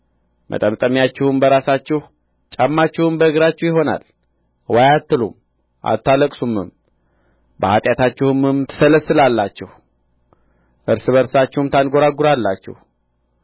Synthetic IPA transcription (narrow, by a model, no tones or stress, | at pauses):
mʔə̰t̪ʼəmt̪ʼəmjat͡ʃːɪhumbəɾasat͡ʃːɪh | t͡ʃʼamːat͡ʃːɪhɨmbəɨɡɨɾat͡ʃːɪwjɪɦo̞na̰l | wajat̪ːɨlṵm | ʔa̰t̪ʰːaləkʼsumːɨ̰m | bəhat̪ʼjat̪ʰat͡ʃːɪhumɨmt̪ʰə̥sələsɨlalːat͡ʃːɪh | ʔɨɾsɨβəɾsat͡ʃːɪhumt̪ʰanɡo̞ɾaɡuɾalːa̰t͡ʃːɪ̰h